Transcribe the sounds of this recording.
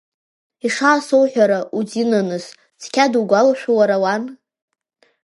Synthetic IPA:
iʂaːsowħᶣʷaɾaʔud͡zinanɨs | t͡sʰkʲʰaduɡʷalʃᶣʷuwaɾawan

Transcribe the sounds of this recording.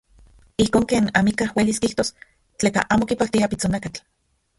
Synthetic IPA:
ihkoːŋkeːnamikahweliskiht̪os | t͡ɬeːka̰ʔaːmokipak̚t̪iapit͡sonakat͡ɬ

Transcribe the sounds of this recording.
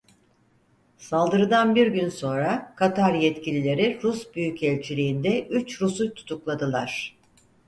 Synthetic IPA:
salˠd̪ɯɾɯd̪anbiɾɟynso̞nɾakʰat̪ʰaɾjɛt̪cilʲilʲe̞ɾiɾusbyjycʰɛlʲt͡ʃʰilʲiːnd̪ɛʔyt͡ʃɾusut̪ʰu̥t̪ʰuklˠad̪ɯlˠaɾ̝̥

